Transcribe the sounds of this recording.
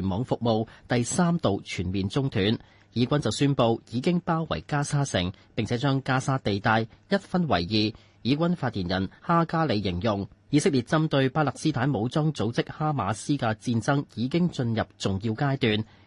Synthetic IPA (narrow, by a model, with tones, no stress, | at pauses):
nmɔː˨˧ŋfʊ˨k̚mo˨˧wt̪ɐ˨jsaː˥mt̪o˨wt͡ʃʰyː˨˩nmiː˨nt͡sʊ˥ŋt̪ʰyː˨˥n | jiː˨˥kʷɐ˥nt͡sɐ˨wsyː˥npo˧wjiː˨˧kɪ˥ŋpaː˥wwɐ̰˨˩jkaː˥saː˥sɪ̰˨˩ŋpɪ˨ŋt͡sʰɛ˨˥t͡ʃœː˥ŋkaː˥saː˥t̪e˨jt̪aː˧jjɐ˥t̚fɐ˥nwɐ̰˨˩jjiː˨ | jiː˨˥k̬ʷɐ˥nfaː˧t̚jiː˨˩njɐ˨˩nhaː˥kaː˥le˨˧jːɪ˨˩ŋjʊ˨ŋjiː˨˧sɪ˥k̚liː˨˩t̚t͡sɐ˥mt̪ɵ˧ɥpaː˥lɐ˨k̚siː˥t̪ʰaː˨˥nmo˨˧wt͡sɔː˥ŋt͡so˨˥wt͡sɪ˥k̚haː˥maː˨˧siː˥kaː˧t͡siː˧nt͡sɐ˥ŋjiː˨˧kɪ˥ŋt͡ʃɵ˧njɐ˨p̚t͡sʊ˨ŋjiː˧wkaː˥jt̪yː˨˧n